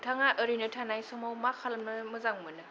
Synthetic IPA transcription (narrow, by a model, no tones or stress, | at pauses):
tʰaŋaʔəɾinɯtʰanajsɔŋmawmakʰalmnɯmɯzaŋmɯnɯ